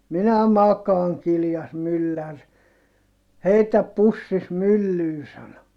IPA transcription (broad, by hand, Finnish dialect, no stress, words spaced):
minæ mɑkɑːŋ kiljɑs mylːær heitæp pusːis mylːyː sɑno